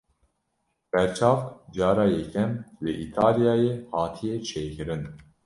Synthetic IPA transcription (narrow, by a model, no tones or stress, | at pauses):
b̥ɛɾt͡ʃʰɑːfd͡ʒɑːɾɑːjɛkʰɛmlɨʔit̪ʰɑːlijɑːjehɑːt̪ʰijet͡ʃʰeːjkɨɾɨn